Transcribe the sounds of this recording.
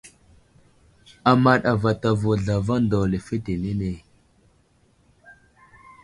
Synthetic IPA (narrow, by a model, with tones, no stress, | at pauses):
a˨ma˦ɗa˨va˨ta˨vo˨ɮa˨va˦ndo˨le˨fe˦te˨ne˦ne˨